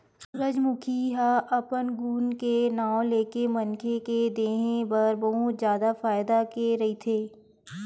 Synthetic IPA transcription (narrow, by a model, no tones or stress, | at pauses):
ɾəd͡ʒmʊkʰiɦaʔɐpənɡuːnkenaːõleːkemɐnkʰeked̪eːɦẽbɐɾbɐɦʊt̪zjaːd̪afaːɪd̪akeɾɐɦit̪ʰeː